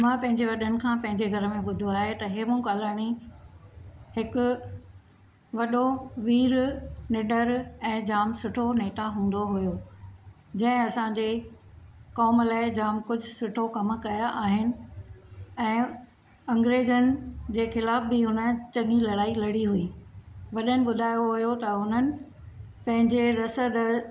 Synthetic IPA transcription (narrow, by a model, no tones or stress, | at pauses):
mãːpɐ̃ɦɪ̃ɲd͡ʑeʋɐɗənɪ̆kʰãːpɐ̃ɦɪ̃ɲd͡ʑeɡʱɐɾəmẽɓʊd̪ʱuaːɦet̪ɐɦeːmʊ̃kaːlaːñi | hɪkʊ̆ | ʋɐɗoʋiːɾnɪɗəɾɛ̃ːd͡ʑaːmsʊʈʰoneːʈaɦũːn̆d̪oɦʊjo | d͡ʑɐ̃ɦɪ̃ɐsãd͡ʑe | kɔːmlaːɪd͡ʑaːmkʊd͡ʑʱʊsʊʈʰokɐm̆kɐjaʔaːɦɪnɪ̆ | ɛ̃ː | ɐ̃ŋɡɾeːd͡ʑənɪ̆d͡ʑeːxɪlaːfbɪɦʊnə̆t͡ɕɐ̃ŋɡilɐɽaːilɐɽiɦʊiːʋɐɗənɪ̆ɓʊd̪ʱaːjoɦʊjot̪ɐʊn̤ənɪ̆ | pɐ̃ɦɪ̃ɲd͡ʑeɾɐsəd̪